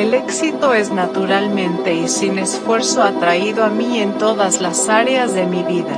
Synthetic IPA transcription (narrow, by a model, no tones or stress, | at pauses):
ele̞ksit̪o̞e̞znat̪uɾalmẽ̞nt̪e̞isine̞sfwe̞ɾso̞at̪ɾaiðoamie̞nt̪o̞ðazlasaɾeazðe̞miβiða